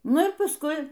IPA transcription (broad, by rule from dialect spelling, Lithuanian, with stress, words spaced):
ˈnʊ ɪr pɐsˈkʊɪ